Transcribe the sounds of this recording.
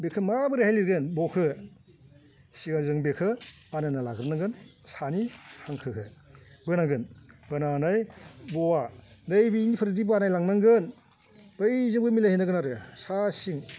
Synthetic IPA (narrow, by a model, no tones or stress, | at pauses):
bekʰɯmabɯɾehajliɾɡenbɔkʰɯ | siɡalzɯŋbekʰɯ | anajnalaɡɯpnaŋɡɯnsanihaŋkʰɯkʰɯbɯnaɡɯnbɯnanajbɔwadɯjbinipʰɯɾidibanajlaŋnaŋɡɯn | b̥ɯjzɯmɡʰɯmilahinaɡɯnaɾɯsasiŋ